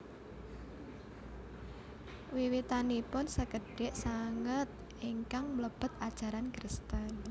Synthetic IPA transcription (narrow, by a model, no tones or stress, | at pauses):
wiwit̪anipʊnsəkəɖ̥ɛʔsaŋət̪̚ | ʔiŋkaŋmləb̥ə̤t̪ad̥ʒ̥a̤ɾankɾəst̪ən